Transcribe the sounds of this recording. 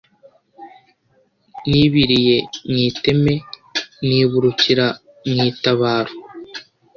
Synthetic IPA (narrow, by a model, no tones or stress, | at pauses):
niβiɾije̞ŋiːte̞me̞ | niːβuɾuciɾa | ŋŋiːtaβaːɾo